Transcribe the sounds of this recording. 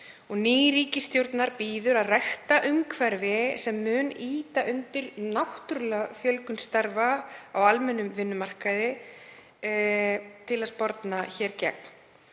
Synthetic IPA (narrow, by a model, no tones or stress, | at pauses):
ɔɣniːɾiːcɪst̪jowɾt̪naɾpiːðʏɾaðraxt̪aʔʏmkʰvɛɾvɪsɛmːʏːniːt̪aʔʏnt̪ɪɾnawht̪ʏɾlfjœlkʏnst̪aɾvaawalmɛnːʏmvɪnːʏmar̥kaðɪ | t̪ʰɪlaðspɔɾt̪naçɛːɾcɛ̰k̚n̥